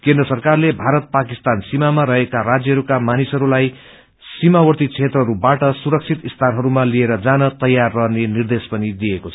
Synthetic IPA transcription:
kẽnd̪rʌsʌrkarlebʱaɾʌt̪̚pakist̪ansimamaɾʌɦekarad͡zjʌɦʌɾukamanisʌɾulaj | simawʌrt̪it͡sʰet̪rʌɦʌɾubaʈʌsuɾʌk̚t͡sʰit̪ist̪ʰanɦʌɾumalieɾʌd͡zanʌt̪ʌjarːʌɦnenird̪espʌnid̪ijekot͡sʰ

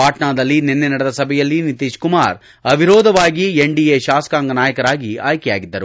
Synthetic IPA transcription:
aːʈnaːd̪ɐlːinɛnːenɐɽɐd̪ɐsɐbʱɛjɐlːinit̪iːʃkumaːɾ | ɐbʱiɾɔːd̪ʱɐʋaːɡieɳɖieʃaːsɐ̥kaːŋɡɐnaːjɐkɐɾaːɡia̰ːjkɛjaːɡid̪ːɐɾu

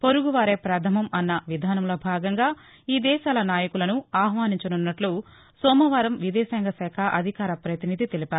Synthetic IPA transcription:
po̞ɾuɡuʋaːɾe̞ːpɾɐd̪ʰʱɐmɐmɐnːɐʋid̪ʱaːnɐmloːbʱaːɡɐŋɡaː | iːd̪ɛːʃaːlɐnaːjɐkulɐnuaːɦʋaːniɲt͡ʃɐnunːɐʈlu | sɔːmɐʋaːɾɐmʋid̪ɛːsɛŋɡɐsɛːkʰɐʔɐd̪ʱikaːɾɐpɾɐt̪inid̪ʱit̪elipaːɾu

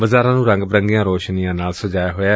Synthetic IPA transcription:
ʋəzaːɾãːnũːɾə̃ŋɡbɾəŋɡɪjãːɾoːʃnijãːnaːlsəd͡ʒaːjaːɦoːaː

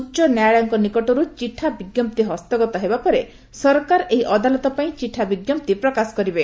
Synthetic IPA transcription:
ut͡ʃɔnjajɭaŋkɔnikɔʈɔɾut͡ʃiʈʰabiɡjɔmp̚t̪iɦɔst̪ɔɡɔt̪ɔɦebapɔɾe | sɔɾkaɾʔeɦiʔɔd̪alɔt̪ɔpaĩt͡ʃiʈʰːabiɡjɔm̚t̪ipɾɔkasɔ̥kɔɾibe

